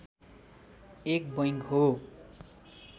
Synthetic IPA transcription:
ek̚bʌjŋkɦo

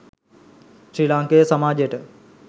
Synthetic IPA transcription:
sɾilaːŋkejəsamaːd͡ʒjəʈə

